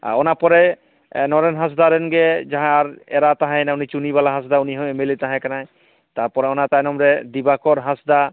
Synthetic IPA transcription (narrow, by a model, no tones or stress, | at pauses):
a̰ɔnapɔɾɛ | nɔɾɛnɦãs̬d̪aɾɛnɡɛd͡ʒaɦãaɾɛɾat̪aɦãjnaunit͡ʃunibalaɦãs̬d̪auniɦɔemelit̪aɦãkanaj | t̪aɾpɔɾɛɔnat̪ajnɔmɾɛd̪ibakɔɾɦãsd̪a